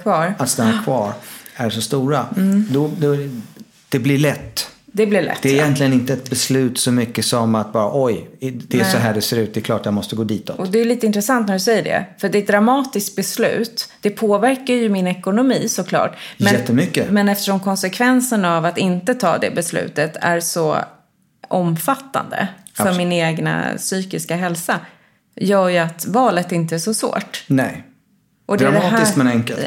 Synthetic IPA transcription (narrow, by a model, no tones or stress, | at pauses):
kvɑːɾat̪st̪anːakʰvɑːɾæʂɔst̪uːɾad̪ɔd̪ɔ | d̪̥ɛblɪɭɛt̪ːd̪ɛblɪɭɛ̰t̪d̪ɛɾɪjɛnt̪lɪɡənɪnt̪əɛt̪̚bɛslʉ̟ːt̪sɔmʏkːəsɔmat̪̚bɑːɾaʔɔjd̪ɛːsɔɦæːɖɛseːɾʉ̟t̪̚d̪ɛklɑːʈjamɔst̪əɡoːd̪iːt̪ʰɔɔd̪ɛːjʏliːt̪əɪnt̪ɾɛsant̪̚næɖɵsɛjːəɖɛ̰fœɖɛt̪̚d̪ɾamɑːt̪ɪskt̪̚bɛslʉ̟̰ːt̪d̪̥ɛpʰoːvæɾkajɵmɪnɛkʊnʊmiːsɔkʰlɑ̰ːʈmɛɛt̪ːəmʏkːəmɛnɛft̪əʂɔmkʰɔnsɛkʰvɛnsənavat̪ɪnt̪ət̪ʰɑ̰ːd̪ɛ̰bɛslʉ̰ːt̪ət̪ʰæ̰ɾsɔ | ʔɔmfat̪ːa̰nd̪ə̰ | fœɾmɪneːɡna̰syːkɪskaɦɛlsa | jœːɾjɵat̪vɑːlət̪ɪnt̪əæʂɔsvo̰ːʈnɛj | ʔɔd̪ɛɾad̪ɛːɪsmɛnɛŋkɛl